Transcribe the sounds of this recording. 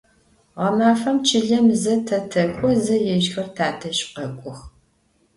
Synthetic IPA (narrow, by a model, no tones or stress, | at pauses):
ʁɐmaːfɐmt͡ʃʰɪɮɐmzɐtʰɐtʰɐkʷʼɔzɐjɛʃxɐrtʰaːtʰɐɕqɐkʷʼʊx